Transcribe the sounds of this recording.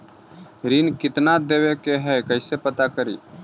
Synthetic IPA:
ɾiːnkɪt̪nad̪eːwekeɦɛkəɪsepət̪akəɾḭː

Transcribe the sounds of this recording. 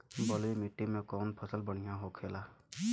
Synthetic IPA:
bɔlimiʈːimekɔnpʰɔsəlbɔɽ̃ijãɦokʰela

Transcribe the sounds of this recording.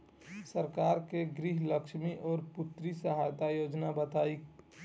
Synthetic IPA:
səɾkaːɾkeɡɾiɦləkʃmiʔɔːɾpʊt̪ɾisəɦajt̪ajoːd͡ʒnabət̪aːi

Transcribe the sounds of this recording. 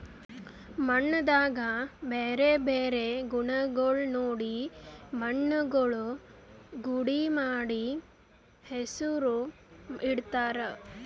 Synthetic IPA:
mɐɳːɐd̪aːɡɐbeːɾebeːɾeɡuɳɐɡɐɭunoːɽimɐɳːɐɡɐɭu | ɡuɽimaːɽi | hesuɾu | iɽt̪aːɾe

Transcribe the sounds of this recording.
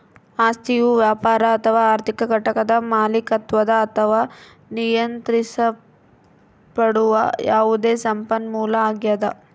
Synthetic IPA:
aːst̪ʰijuʋjaːpaːɾɐːt̪ʰɐʋaːɾt̪ʰikɐɡɐʈɐkɐd̪ɐmaːlikɐt̪ʋɐd̪ɐːt̪ʰɐʋaː | nijɐnt̪ɾisɐ | pɐɽuʋɐ̰jaːʋud̪eːsɐmpɐnmuːlɐaːɡjɐd̪ɐ

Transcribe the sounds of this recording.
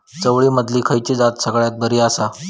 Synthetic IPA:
t͡səʋɭiːməd̪liːkʰəjt͡ɕid͡zat̪səɡɭjat̪̚bəɾiːasa

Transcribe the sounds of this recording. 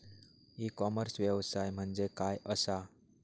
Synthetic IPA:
ikɔməɾsʋjəʋsajm̤əɳd͡zekajəsa

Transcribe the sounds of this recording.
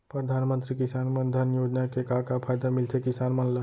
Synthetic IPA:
pɾəd̪ʱaːnmə̃nt̪ɾikɪsaːnmənd̪ʱənjoːd͡ʒnakekakapʰaːjd̪amɪlt̪ʰekɪsaːnmɐnla

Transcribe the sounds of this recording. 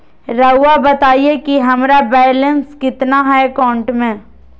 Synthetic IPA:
ɾɐwːabɐt̪aːiekiɦɐmɾabɛːlənskɪt̪naɦakaːʊ̃ɳʈmẽ

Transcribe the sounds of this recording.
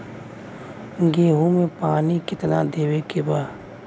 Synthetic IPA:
ɡeːɦõmẽpaːnikɪt̪na̰d̪eːwekebaː

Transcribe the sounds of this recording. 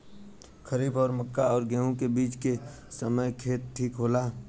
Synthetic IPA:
kʰəɾiːbɔːɾməkːaɔːɾɡɛːũkebiːt͡ʃke | səməjkʰeːt̪̚ʈʰiːkɦoːlaː

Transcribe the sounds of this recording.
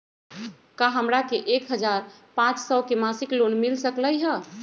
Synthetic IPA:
kaɦəmɾakeʔekɦəd͡ʒaɾ | pãt͡ʃsəkemasiklonmilsəkləjɦə

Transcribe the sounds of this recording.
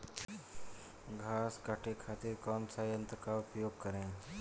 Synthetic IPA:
ɡʱaːskaʈʰekʰaːt̪ɪɾkɔːnsajə̃nt̪ɾəkaʊpjoːɡ̚kɐɾẽː

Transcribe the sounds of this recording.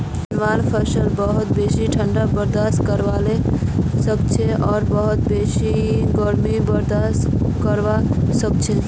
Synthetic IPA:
nʋalpʰəɾʃəlbəɦut̪̚besiʈʰəɳɖabəɾd̪ast̪kəɾʋalesəkt͡ʃʰeʔɔːɾbəɦut̪̚besiɡɔɾmibəɾd̪askəɾʋasək̚t͡ʃʰe

